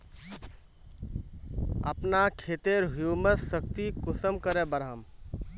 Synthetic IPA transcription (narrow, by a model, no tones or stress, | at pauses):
ə̰pnakʰeːt̪eɾɦjuːmətsək̚t̪ikʊsəmkəɾebəɾɦəm